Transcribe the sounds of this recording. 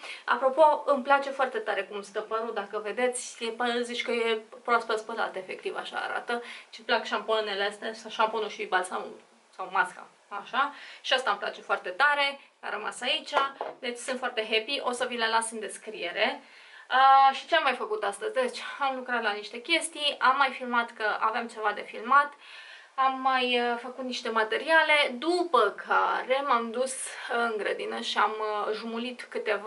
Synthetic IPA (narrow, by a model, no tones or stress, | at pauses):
a̰pɾo̞po̞ɨmplat͡ʃe̞foart̪e̞t̪aɾe̞kumst̪əpəɾut̪̚d̪akəve̞d̪e̞t̪sʲepəzit͡ʃʲkəje̞pɾospəspəla̰t̪efe̞k̚t̪iva̰ʃa̰ːɾa̰t̪ət͡ʃeplakʃamponunelest̪esaʃamponuʃibalsamu | sawmaska̰ | aʃaʃiast̪aɨmpla̰t͡ʃe̞foart̪e̞t̪aɾe̞ | a̰ɾəma̰sait͡ʃʲad̪e̞t͡ʃʲsɨnt̪foart̪e̞ɦe̞piʔo̞səvilelasɨnd̪e̞skɾie̞ɾe̞ | əʃit͡ʃe̞amːajfəkut̪ast̪əzʲd̪e̞t͡ʃʲamlukɾat̪laniʃt̪e̞kʲe̞st̪ijamːajfilmat̪kəʔa̰veamt͡ʃe̞vad̪e̞filmat̪ | amːajfəkut̪̚niʃt̪e̞mat̪e̞ɾiale̞d̪upəkʰa̰ɾe̞mamd̪usɨŋɡɾəd̪inəʃiamʒumulit̪kɨt̪e̞va